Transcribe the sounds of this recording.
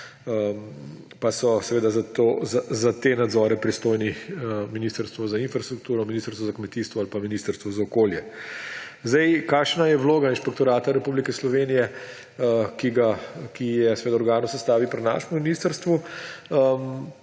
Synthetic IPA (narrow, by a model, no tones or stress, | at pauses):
əm | pasɔsɛʋeːd̪azat̪ozazat̪enad̪zɔːɾɛpɾist̪oːjnixəminiːst̪əɾst̪ʋɔzainfɾast̪ɾuk̚t̪uːɾɔminist̪əɾst̪ʋɔzakmɛt̪iːst̪ʋɔalpaminiːst̪əɾst̪ʋɔzaɔkoːljɛ | zd̪ɛjkaːkʃnajɛʋloːɡainʃpɛkt̪ɔɾaːt̪aɾɛpublikɛslɔʋeːnijɛ | əkiɡakijɛsɛʋeːd̪aɔɾɡaːnɔsɛst̪aːʋipɾɛna̰ːʃmuminiːst̪əɾst̪ʋuəm